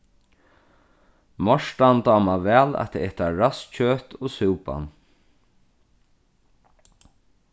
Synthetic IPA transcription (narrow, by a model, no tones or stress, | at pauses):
mɔʂt̪ant̪ɑːmavɛːla̰t̪ʰɛɛht̪aɾast͡ʃʰøːt̪ɔsuːpa̰n